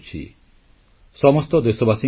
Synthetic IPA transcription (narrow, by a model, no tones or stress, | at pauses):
t͡ɕʰḭ | ʃɔmost̪od̪eʃobasi